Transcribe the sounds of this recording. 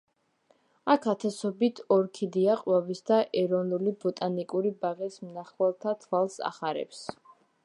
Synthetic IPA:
akʰat̪ʰɛsɔbit̪ʰɔɾkʰid̪iaqʼwavisd̪aʔɛɾɔnulibɔt̪ʼanikʼuɾibaʁɛsmnaχwɛlˠt̪ʰat̪ʰwalˠsa̰χaɾɛ̰ps

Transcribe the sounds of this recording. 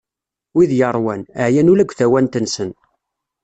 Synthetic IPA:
wiðjəɾˤwænəʕjænulæɡʷːθæwænt̪ənsən

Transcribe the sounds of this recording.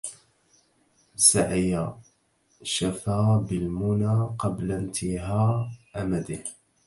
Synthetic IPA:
saʕɪja | ʃafaːbɪlmʊnaːqɑblant̪ʰɪɦaːʔamad̪ɪh

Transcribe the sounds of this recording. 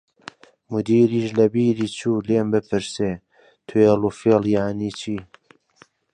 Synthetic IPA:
mud̪iːɾiːʃlɐbiːɾiːt͡ʃʰuːleːmbɨpʰɨɾseː | t̪ʰueːlufeːljaʕniːt͡ʃʰiː

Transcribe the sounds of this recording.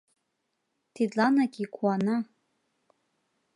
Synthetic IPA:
tʰidanaɡʲʼikʷʰʼana

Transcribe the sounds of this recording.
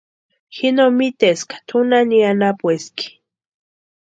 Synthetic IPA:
xinomit̪eskḁt̪ʰunanianapweski̥

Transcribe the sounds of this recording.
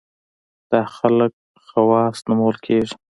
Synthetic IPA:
d̪̥ɑxalək̚ | xawɑst̪namawəlkʰeʐi̥

